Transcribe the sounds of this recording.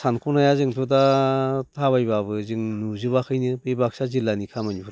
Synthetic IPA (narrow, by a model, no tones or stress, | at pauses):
sankʰonajazɯŋtʰudatʰaβajbaβɯzɯŋnuzɯβakʰɯjnɯbɯjbak̚sazilːanikʰamaɲubɾ